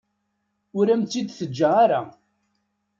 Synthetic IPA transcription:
ʊɾæmt̪ːid̪θəd͡ʒːaaɾa

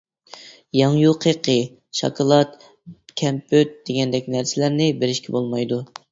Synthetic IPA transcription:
jɑŋjuqʰeqʰə | ʃɑ̰kʰɑlˠɑt̪ | kʲʰɛmpʰøt̪̚d̪̥eɡʲɛnd̪ɛkʲnæɾsɪlæɾnɪbeɾɪʃkʲɛbolˠmɑjd̪u

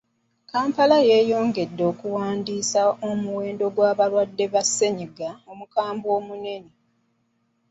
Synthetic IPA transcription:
kaːmpalaje̞ːjo̞ːŋɡe̞dːo̞ːkuwaːndiːsao̞muwe̞ːndo̞ɡwaːβalwadːe̞βase̞ɲiɡaomukaːmbo̞ːmune̞ne

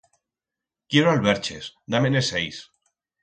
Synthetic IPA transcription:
kjeɾoalβeɾt͡ʃesd̪amenesejs

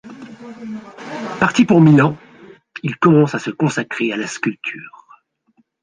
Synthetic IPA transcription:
paʁt̪ipuʁmilɑ̃ | ilkɔmɑ̃sasəkɔ̃sakχealaskʲylt̪ʰyːʁ

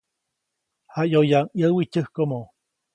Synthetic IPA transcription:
hajojaŋjəwicəhkomo

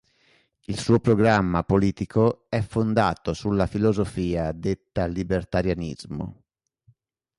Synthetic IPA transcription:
ilsuːopɾoɡɾamːapoliːt̪ikʰoɛfːond̪aːt̪osulːafilozofiːad̪et̪ːalːibert̪aɾjanḭzmo̰

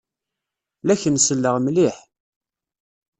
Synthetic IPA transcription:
læçənsəlːəʁmliħ

